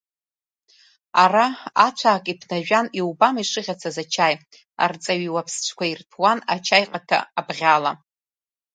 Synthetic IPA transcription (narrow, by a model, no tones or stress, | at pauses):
araat͡ʃʷʰaːkʼipʰnaʒᶣaniwbamiʂɨʁʲat͡sʰazat͡ʃʰaj | a̰rt͡sʼaɥiwapʰst͡ʃʷʰkʷʰairtʰwanat͡ʃʰajqʼatʰa̰ːbʁʲala